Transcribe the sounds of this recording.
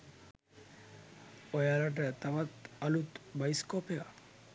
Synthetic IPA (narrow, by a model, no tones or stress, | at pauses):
ojaɾaʈet̪aβat̪alut̪bajskopea